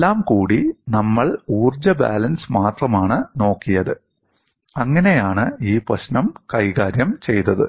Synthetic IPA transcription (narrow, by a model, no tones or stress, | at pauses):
elːaːmkuːɽinɐmːɐɭuːrd͡ʑɐba̰ːlɐnsmaːt̪rɐmaːɳɨno̞ːkːijɐðɨ | ɐŋːɐne̞jaːɳɨiːprɐɕnɐmkɐjkaːɾjɐmt͡ɕe̞jt̪ɐðɨ̰